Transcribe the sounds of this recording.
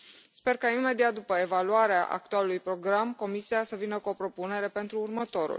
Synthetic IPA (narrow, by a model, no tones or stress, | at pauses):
spe̞rkainme̞d̪iat̪̚d̪upəe̞valuaɾeaʔa̰k̚t̪ualulujpɾo̞ɡɾamko̞misiasəvinəkuo̞pɾo̞pune̞ɾe̞pe̞nt̪ɾuːrmət̪o̞ɾṵl